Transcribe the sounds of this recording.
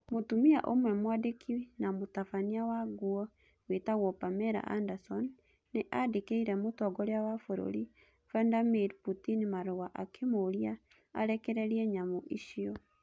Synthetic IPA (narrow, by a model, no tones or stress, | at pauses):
motumia̰ʔomwɛmwadekʰiwenamotafaniawaɡuɔ | wetaɣɔpamɛɾa̰ʔa̰ndasɔnː | eʔadekeiɾɛmotɔɡɔɾeawafoɾo̰ɾi | vandamiɾputinimaɾowaʔakʰemoɾia | a̰ɾɛkɛɾɛɾiɛɲamoʔiʃiɔ